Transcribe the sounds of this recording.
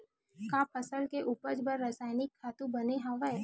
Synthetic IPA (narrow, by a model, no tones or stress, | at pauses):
kãːpʰɐsəlkeʔuːpəɾd͡ʒbəɾːasaːɪnɪkʰːaːt̪ũbɐneɦãʋə